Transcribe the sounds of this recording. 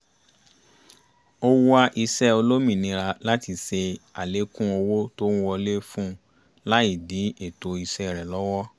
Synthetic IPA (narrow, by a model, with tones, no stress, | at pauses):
o˧wu˦a˦ʔi˧sɛ˦o˧lo˦mĩ˦˨nĩ˧˦ɾa˧la˦ti˧se˧a˨le˨˦kũ˦o˧wo˦to˦nũ˦wɔ˧le˦fũ˦ | la˦i˦˨di˨˦e˦˨to˧i˧sɛ˦˨ɾɛ˨lɔ˦wɔ˦